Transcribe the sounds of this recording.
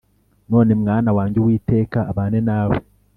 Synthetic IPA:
no̞ːnemŋaːnawaːɲɟewiːte̞ːkaːβaːnenaːwḛ

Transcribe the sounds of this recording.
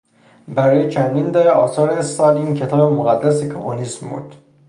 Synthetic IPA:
bæɾɒːjet͡ʃʰænd̪ind̪eɾeɒːsɒːɾesɒːliːncʰe̞t̪ʰɒːbemoɣæd̪ːæsekʰomo̰nismbṵɾd̪̥

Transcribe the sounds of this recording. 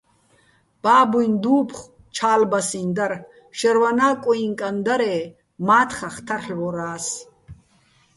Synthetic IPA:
b̥aːbujnd̪uːpʰχ | t͡ʃʰaːlbasind̪ar | ʃɛɾwanaːkʼɔiŋkʼand̪aɾɛː | maːt̪ʰχaχt̪ʰaɬwɔɾaːs

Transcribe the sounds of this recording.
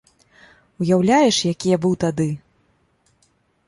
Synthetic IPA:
ujawlʲajɛʂjakʲijɐbɨwt̪ad̪ɨ

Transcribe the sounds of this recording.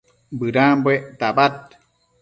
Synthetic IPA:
bɨɾãːmbwet̪abat̪̚

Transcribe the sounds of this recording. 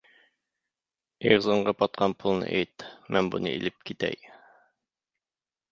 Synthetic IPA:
iɾzoɴɢɑpɒt̪̚qʰɑnpʰulˠnɤ̰ʔæjt̪mæmbunɤ̰ḭlɘp̚kit̪æ̰j

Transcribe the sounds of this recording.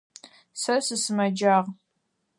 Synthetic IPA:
sɐsɨsɨmɐd͡ʒaːʁ

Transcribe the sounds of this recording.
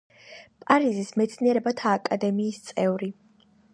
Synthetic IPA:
pʼaɾizismɛt̪sʰniɛɾɛbat̪ʰaːkʼad̪ɛmiːst̪sʼɛvɾi

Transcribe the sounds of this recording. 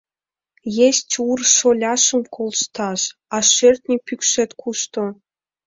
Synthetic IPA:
jestʲurʃolʲɑʃə̆mkʰolʃt̪ɑʃɑʃørt̪ʲnʲipykʃĕt̪kʰuʃt̪o

